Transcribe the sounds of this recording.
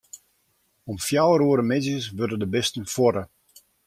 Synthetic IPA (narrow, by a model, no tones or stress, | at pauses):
ɔmfjawəɾuəɾəmɪzjəsʋørdədəbɪstənfwɔɾə